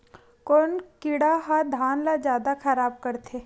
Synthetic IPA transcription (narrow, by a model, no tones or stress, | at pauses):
konkɪɽaɦad̪ʱaːnlad͡ʒjaːd̪axɐɾaːb̚kɐɾt̪ʰeː